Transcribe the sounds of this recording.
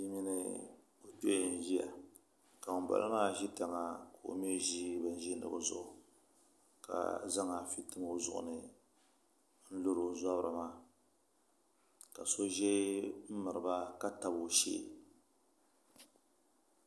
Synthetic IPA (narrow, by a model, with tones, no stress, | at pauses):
i˦mi˦nɨ̰˦ | o˨to˦˨n̩˨ʒi˦ja̰˨ | ka˨ba̰˦lʔɨ˦maː˦ʒi˦ta˨ŋa˨ka˨o̰˨m˦ɛ˦ʒi˦bɨ˨n̩˦ʒi˦nɨ̰˨bɨ˨zʊ˦ʔʊ˨ | ka̰˨za˦ŋa˨fi˦tɨ˦m˦o˦zʊ̰˨ʔʊ̰˨nɨ˨ | n̩˦lo˦ɾo˨˦za˦bɾɨ˨maː˦ | ka˨so˦ʒɛ˦m̩˦mɨ˨ɾɨ˨ba˦ka˦ta˨bʃḛː˦˨